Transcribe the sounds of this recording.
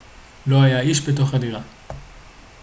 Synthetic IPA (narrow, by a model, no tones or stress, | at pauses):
lo̞ajaiʃbet̬o̞χadiʁa